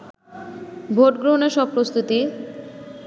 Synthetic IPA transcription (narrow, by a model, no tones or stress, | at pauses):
bʱoʈɡɾoneɾʃɔb̚pːɾost̪ut̪i